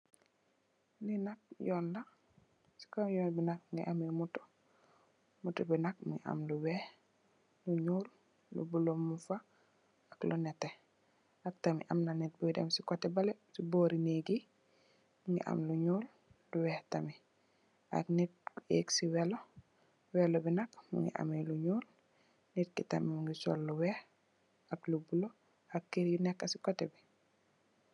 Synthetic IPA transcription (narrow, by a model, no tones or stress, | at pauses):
ninak̚jɔnla | si̥kamjɔːnbinak̚mŋɡiʔamimutɔ̥ | mutubinak̚mṵŋḭʔa̰mluwɛh | luɲuːl | lṵbulomːufa | aklunɛtɛ | ak̚tamḭʔamnanit̚bujdɛ̰msikɔtɛbalɛsiboːɾineɡi | muŋɡḭʔa̰mluɲuːl | luwɛhtami | a̰knit̚ḛksiwɛlo | wɛlobinakmṵŋɡḭʔa̰meluɲuːl | nit̚kitamimuŋɡisɔ̰lːuwɛh | aklubulo | akːiɾjunɛkːasikotebi